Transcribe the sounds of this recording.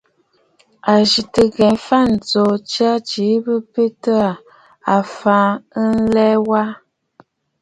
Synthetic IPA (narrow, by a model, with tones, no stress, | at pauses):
a˨ʒi˨tə˨ɡɛ˨fa˦˨n̩˨t͡so˨t͡ʃɰa˦t͡ʃi˨˦bə˦pe˦tə˦a˨ | a˨fã˨˦ə˦n̩˦lɛ˦wa˦